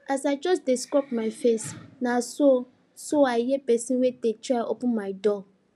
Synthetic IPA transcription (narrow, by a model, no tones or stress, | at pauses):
asaɪd͡ʒɔsdɪskɹɔpmãɪfesnãso | soajɛbɛsĩwedetʰɾaʔɔpʊ̃mãɪdɔ